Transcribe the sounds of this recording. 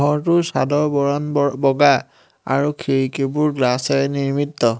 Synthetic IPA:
ɦɔɹtʊsadɔbɔɹɔnbɔɡa | a̰ɹukʰeɹkebuɹɡlasɛniɹmitːɔ

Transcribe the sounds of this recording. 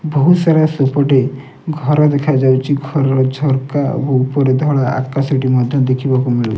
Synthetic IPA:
boɦusaɾasɔpɔʈe | ɡʱɔɾɔd̪ekʰad͡ʒawt͡ʃʰiɡʱɔɾɔɾɔd͡ʒʱɔɾkaḛbɔupɔɾed̪ʱɔɭaa̰kasɔʈimɔd̪ʱjɔd̪ekʰibakumiɭut͡ʃ

